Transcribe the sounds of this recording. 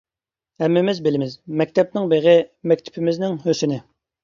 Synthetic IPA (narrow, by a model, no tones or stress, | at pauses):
ɛmːɪmɪzbɪlɪmɪzmɛk̚ʲt̪ʰɛp̚nɪŋbeʁɪmɛk̚ʲt̪ʰɪ̥pʰɪmɪznɪŋɦøsɪnɪ